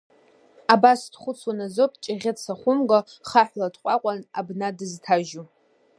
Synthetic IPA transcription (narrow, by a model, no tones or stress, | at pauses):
abasdχʷʊt͡sʰwanazopʼt͡ʃʼɪʁʲɪt͡sʰaχʷʊmɡʼa | χaħʷlatʰqʷʼaqʷʼana̰bnadɨztʰaʒu